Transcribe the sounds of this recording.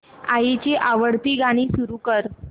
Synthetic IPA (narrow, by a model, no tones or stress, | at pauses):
ajit͡ɕeʔaʋəɽt̪iːɡaɽ̃iːsuɾukəɾ